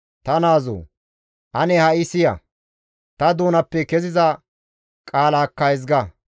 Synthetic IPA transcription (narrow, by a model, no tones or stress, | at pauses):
t̪ɐnaːzo̰ː | ʔɐnɛhɐɪsɪjɐ̰ | t̪ɐd̪oːnɐpːɛkɛzɪzɐ | kʼaːlaːkːɐɛzɡɐ